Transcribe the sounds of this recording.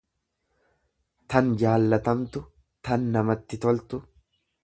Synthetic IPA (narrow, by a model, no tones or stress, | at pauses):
t̪ɐnd͡ʒaːlːɐt̪ɐmt̪ʊ | t̪ɐnːɐmɐt̪ːɪt̪ɔlt̪ʊ